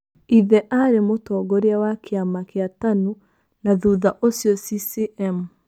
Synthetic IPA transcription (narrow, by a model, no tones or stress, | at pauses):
iðɛʔaɾemotɔɡɔɾeawakeamakeatanu | naðuðaʔosjɔsisiʔɛmu